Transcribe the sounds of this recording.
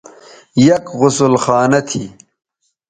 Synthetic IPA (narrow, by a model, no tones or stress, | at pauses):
jɐkɣʊsʊlxaːnɐt̪ʰḭː